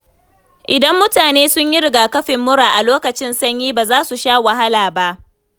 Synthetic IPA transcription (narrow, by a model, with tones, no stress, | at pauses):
ʔɪ˨dɐ˦mːʊ˦taː˨neː˦sʊ˦ɲjɪ˦ɾɪ˨ɡaː˨kɐ˦ɸɪ˨mːʊ˦ɽaː˨ʔa˨loː˦kɐ˨t͡ʃɪ˦nsɐ˦ɲjiː˦baː˨zaː˦su˨ʃaː˦wa˨ɦa˦laː˨ba˦ʔ